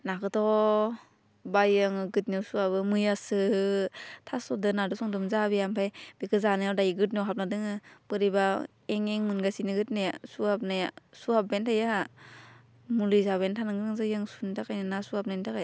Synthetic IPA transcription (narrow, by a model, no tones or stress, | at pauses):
nakɯtʰɔ | bajaŋɡɯt̚niasuabɯmɯjasɯ | tʰasɔdɯnadɯsɔŋdɯmzabijampʰajbikɯzanɯjawdajɡɯt̬̚niawɦap̚nadɯŋɯpɯɾiba | eŋeŋmɯnɡasinɯɡɯt̚nejasuhap̚najasuhap̚bentʰajaha | mulɯzaβentʰanɯŋɡɯnɯŋzajaŋsuntʰakajnɯnasuhap̚najntʰakaj